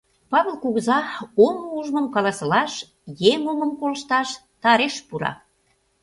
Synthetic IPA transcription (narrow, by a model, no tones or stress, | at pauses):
pɑβelkuɣəzɑoməuʒməmkɑlɑsə̆lɑʃ | jeŋoməmkolə̆ʃt̪ɑʃt̪ɑɾeʃpuɾɑ̰